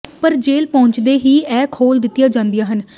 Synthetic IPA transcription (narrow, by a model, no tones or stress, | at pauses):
pəɾd͡ʒeːlpɔ̃ːɲt͡ʃd̪eːɦiːɛːkʰoːld̪ɪt̪ːɪjaːd͡ʒãːnd̪ɪijaːɦən